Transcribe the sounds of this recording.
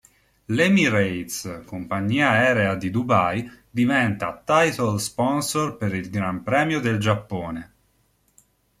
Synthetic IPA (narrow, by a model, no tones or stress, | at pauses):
lɛmiɾejt̪skompaɲːiːaɛːɾead̪id̪ubajd̪ivɛnt̪at̪ajt̪olspɔnsorpeɾilɡɾampɾɛːmjod̪eld͡ʒapːoːne